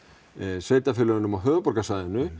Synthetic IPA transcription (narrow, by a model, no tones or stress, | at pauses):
seːjt̪afɪɾlœːɣʏnʏmawɦœːvʏpɔɾkasaːjðɪnːʏ